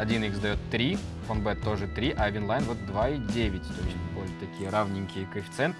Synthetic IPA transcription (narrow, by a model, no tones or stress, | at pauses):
ɐdʲinjiɣzd̪ɐjɔt̪ʲːɾʲifɔnbɛt̪ːɔʒɛt̪ɾʲiʔɐʋʲinlˠajnʋɔt̪d̪ʋɑidʲɛʋʲjɐtʲt̪ɔsʲbɔlʲt̪ɐkʲiɾɑwnʲinʲkʲijɐkefʲi̥t̪sɛnt̪